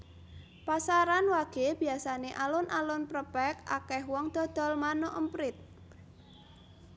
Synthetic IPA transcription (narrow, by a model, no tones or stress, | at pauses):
pasaɾanwaɡ̥e̤b̥i̤asaneʔalʊnʔalʊnpɾəpɛka̰kɛɦwɔŋd̪̥ɔ̤d̪̥ɔ̤lmanoʔəmpɾɪt̪̚